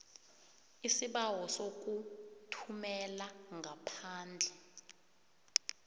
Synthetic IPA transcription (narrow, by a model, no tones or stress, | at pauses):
isiɓawɔsok̬utʰumɛlaŋʱapʰaːnd͡ɮʱɛ